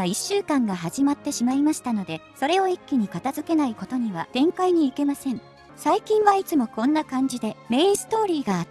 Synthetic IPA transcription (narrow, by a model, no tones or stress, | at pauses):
iɕːɨːkãŋɡaɦaʑimat̪ːe̞ɕimaimaɕi̥t̪ano̞d̪e̞so̞ɾe̞o̞ikʲːiɲ̟ikat̪azɨke̞naiko̞t̪o̞ɲ̟iβad̪̥ẽ̞ŋkaiɲ̟iːke̞masẽ̞ŋ | saikʲĩɰ̃βait͡sɨmo̞kõ̞nːakãɲ̟d͡ʑid̪e̞me̞ːĩsɨ̥t̪o̞ːɾʲiːɡaː